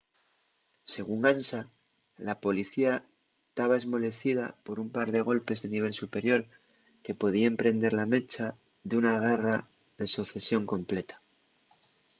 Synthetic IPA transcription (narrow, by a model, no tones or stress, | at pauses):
se̞ɣ̞uŋansa | lapo̞liθia | t̪aβ̞ae̞zmo̞le̞θiðapo̞ɾumpaɾðe̞ɣo̞lpe̞zðeniβ̞e̞lsupe̞ɾjo̞ɾ | ke̞po̞ð̞iae̞mpɾe̞nd̪e̞ɾlame̞t͡ʃa | ðeunaɣ̞e̞ra | ðe̞soθe̞sjo̞ŋko̞mple̞t̪ḁ